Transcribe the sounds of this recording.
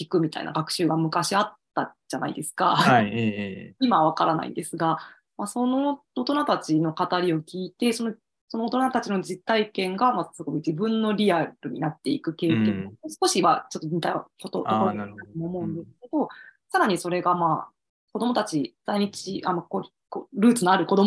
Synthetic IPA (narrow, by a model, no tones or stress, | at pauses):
kʲikɯ̟mʲit̪a̰ḭna̰ɡakɯ̟̥ɕɨːɡamɯ̟kaɕiat̪ːaʑ̥ana̰id̪e̞sɨ̥ka̰ | imaβ̞akaɾana̰ḭnd̪e̞sɨɡa | maso̞no̞ot̪o̞nat̪at͡ɕino̞kat̪aɾʲio̞kʲiːt̪e̞so̞no̞ | so̞no̞ot̪o̞nat̪at͡ɕino̞d͡ʑit̪ːaikẽ̞ŋɡamasɨɡo̞id͡ʑibɯ̟̃nːo̞ɾʲiaɾɯ̟ɲ̟ḭnat̪ːe̞ikɯ̟ke̞ːkeosɨ̥ko̞ɕimat͡ɕo̞t̪ːoɲit̪akot̪ooot̪at̪omoːmo̞ɯ̟̃nd̪e̞sɨ̥ke̞d̪̥o̞saɾaɲ̟iso̞ɾe̞ɡamaː | ko̞d̪o̞mo̞t̪at͡ɕid̪̥aiɲ̟it͡ɕiʔamako | koɾɯ̟ːt͡sɨnoaɾɯ̟ko̞d̪o